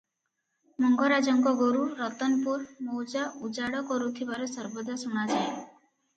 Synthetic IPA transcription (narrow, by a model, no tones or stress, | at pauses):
mɔŋɡɔɾad͡ʒɔŋkɔɡoɾuɾɔt̪ɔnpuɾmowd͡ʒaʔud͡ʒaɽɔkɔɾut̪ʰibaɾɔsɔɾbɔd̪asuɽ̃ad͡ʒae